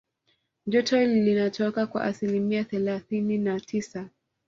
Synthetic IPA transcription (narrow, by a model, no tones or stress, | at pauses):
d͡ʒɔtʰɔlilinatʰɔkakwa̰ʔasilimiaθɛlaθininatʰisa